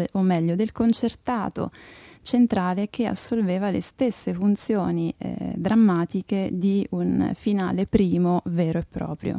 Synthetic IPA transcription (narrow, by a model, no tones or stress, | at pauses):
ʔomːɛʎːod̪elkont͡ʃert̪aːt̪o̰t͡ʃent̪ɾaːlek̟ea̰sːolveːvalḛst̪esːefunt̪sjoːnḭd̪ɾamːaːt̪iked̪iunfina̰ːlepɾiːmovɛːɾoepːɾɔ̰ːpɾjo̰